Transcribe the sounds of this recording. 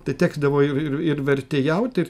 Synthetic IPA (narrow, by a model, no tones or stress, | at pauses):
t̪ɐɪt̪ʲæːɡzd̪ɐʋoːɪrɪrɪrʋʲɛrʲt̪ʲeːjɛʊt̪ʲɪɾ